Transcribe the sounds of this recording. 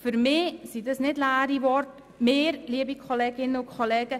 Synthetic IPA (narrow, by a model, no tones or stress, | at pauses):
fyɾmɪːsidəsnɪdlæːɾiʋɔɾt | meːɾliəbikʰoleːɡɪnəʊkʰolɛːɡ̥ə